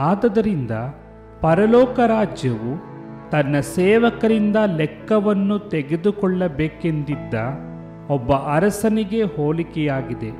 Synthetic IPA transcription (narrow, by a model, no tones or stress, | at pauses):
aːd̪ɐd̪ɐɾind̪ɐ | pɐɾɐlɔːkɐɾaːd͡ʒjɐʋu | t̪ɐnːɐsɛːʋɐkɐɾind̪ɐlɛkːɐʋɐnːut̪eɡed̪ukɔɭːɐbeːke̞nd̪id̪ːɐ | ɔbːɐʔɐɾɐsɐniɡe̞hoːlikɛjaːɡid̪e̞